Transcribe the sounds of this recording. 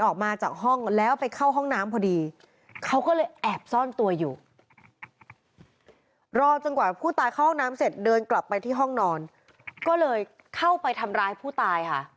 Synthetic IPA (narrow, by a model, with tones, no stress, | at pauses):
ʔɔː˨˩k̚maː˧t͡ɕaː˨˩k̚ɦɔ˥˩ŋlɛː˦˥wpa˧jkʰa˥˩wɦɔ˥˩ŋnaː˦˥mpʰɔː˧diː˧ | kʰa˦˥wkɔː˥˩lɤː˧jʔɛː˨˩p̚sɔː˥˩nt̪u˧ɐjuː˨˩ | ɾɔː˥˩t͡ɕo˧nkwaː˨˩pʰuː˥˩t̪aː˧jkʰwhɔ˥˩naː˦˥mse˨˩t̪̚dɤː˧nkla˨˩pːa˧jt̪ʰiː˥˩ɦɔ˥˩ŋnɔː˧n | kɔː˥˩lɤː˧j | kʰa˥˩wpa˧jt̪ʰa˧mɾaː˧jpʰuː˥˩t̪aː˧jkʰa˥˩ʔ